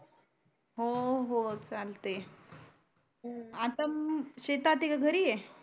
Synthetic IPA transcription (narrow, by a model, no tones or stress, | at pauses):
ɦoɦot͡salt̪e | at̪əmɕet̪at̪ikaɡʱəɾije